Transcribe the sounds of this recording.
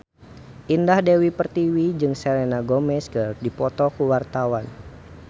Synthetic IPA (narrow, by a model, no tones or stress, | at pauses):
ʔindahdewipərt̪iwid͡ʒɨŋsɛlenaɡɔmɛskərdipɔt̪ɔkuwart̪awan